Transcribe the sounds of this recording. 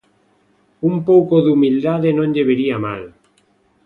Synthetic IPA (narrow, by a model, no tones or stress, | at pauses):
umpowkoðumild̪aðenõnʎeβeɾiama̰l